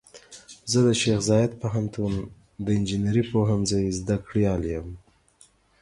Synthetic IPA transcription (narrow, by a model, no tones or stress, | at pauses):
zəd̪əʃexzɑjat̪̚pəɦant̪un | d̪əɪnd͡ʒinəɾipoɦanzajzd̪akɽjɑljəm